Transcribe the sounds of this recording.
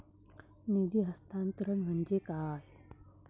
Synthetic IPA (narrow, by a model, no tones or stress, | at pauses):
nid̪iɦɐst̪aːnt̪ɾənʋɐnd͡ʒekaːj